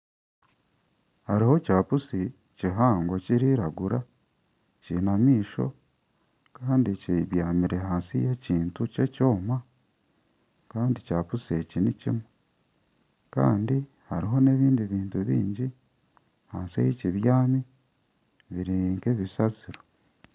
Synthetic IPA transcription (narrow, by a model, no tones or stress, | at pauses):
haɾiho̞caːpusi | ciɦaːŋɡo̞ciɾiɾaɡuɾa | cinamiːʃo̰ | kaːndiciβjaːmiɾeɦaːnsijeciːntuce̞co̞ːma | kaːndicaːpusiecinicḭmwe | ka̰ːndi | haɾiɦo̞ne̞ːβiːndiβiːntuβḭːɲɟi | haːnsiḛjeciβjaːmi | βiɾiŋkeβisat͡siɾo